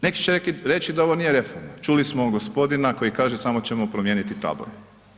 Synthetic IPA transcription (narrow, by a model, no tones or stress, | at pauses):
ne̞ki̥t͡ʃeɾekiɾe̞t͡ɕid̪ao̞ʋonijeɾe̞foɾmat͡ʃulismo̞ɡospo̞d̪inako̞jikaːʒesamo̞t͡ɕemo̞pɾomje̞ːnit̪it̪a̰ːbo̰je